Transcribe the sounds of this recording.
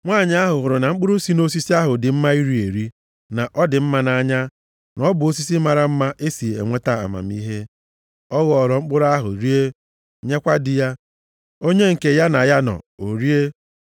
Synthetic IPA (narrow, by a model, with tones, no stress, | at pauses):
ŋʷaː˦˨ɲ˨a˦ɦʊ˨ɣʊ˨ɾʊ˨na˨ŋ͡m̩˦k͡pʊ˦ɾʊ˦si˦no˦s̬i˦si˦a˦ɦʊ˨dɪ˨m̩˦ma˦i˦ɾi˨e˨ɾi˦ | na˨ʔɔ˦dɪ˨m̩˦ma˦na˨˦ɲa˦ | nɔ˦bʊ˨o˦s̬i˦si˦ma˨ɾa˨m̩˦ma˦ʔe˦si˨e˨ŋʷe˦ta˦˨a̰˨ma̰˨m̩˦i˦ɦe˦ | ɔ˦ɣɔɔ˨ɾɔ˨ŋ͡m̩˦k͡pʊ˦ɾa˦ɦʊ̰˨ɾi˦e˦ | ɲe˦kʷa˦dɪ˨ja˦ | o˦ɲe˦ŋ̩˨ke˨ja˦na˨ja˦nɔ̰˨o˨ɾi˦e˦